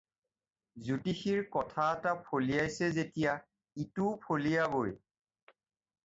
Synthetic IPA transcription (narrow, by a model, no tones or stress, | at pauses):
zutixiɹkɔtʰaɛtapʰolijajsɛzetija | itupʰolijaboj